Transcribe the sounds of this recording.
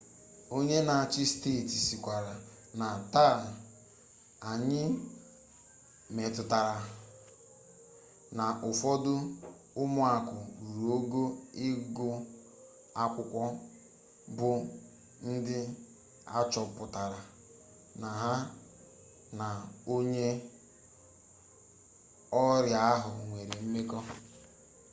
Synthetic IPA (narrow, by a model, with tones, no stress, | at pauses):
o˦ɲe˦na˨a˨t͡ʃɪ˦ste˦˨ti˨si˨kʷa˨ɾa˨ | na˨ta˦˨ | a˨ɲɪ˦ | me˨tʊ˨ta˨ɾa˨ | na˨ʔʊ˨fɔ˦dʊ˦ | ʊ˦mʊ˦a˨kʊ˨ɾu˨o˦ɡo˦ɪ˦ɡʊ˦ | a˦kʷʊ˦kʷɔ˦ | bʊ˨ | n̩˦dɪ˦ | a̰˦t͡ʃɔ˨pʊ˨ta˨ɾa˨ | na˨ɦa˦ | na˨o˦ɲe˦ | ɔ˦ɾja˨a˦ɦʊ˨ŋʷe˨ɾe˨m̩˦me˦kɔ˦